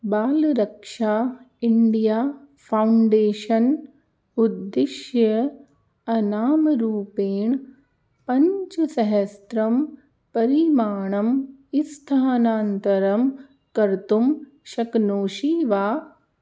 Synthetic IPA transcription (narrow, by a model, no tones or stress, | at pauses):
baːlɾɐkʂaː | ɪɳɖijaː | fʰaʊɳɖeːʃɐn | ud̪ːɪʃjɐ | ɐnaːmɾuːpeːɳ | pɐ̃ɲt͡ʃɐsɐɦɐst̪ɾɐm | pɐɾimaːɳɐmist̪ʰaɦɐnaːnt̪ɐɾɐm | kɐɾt̪um | ʃɐknoːʃiːʋaː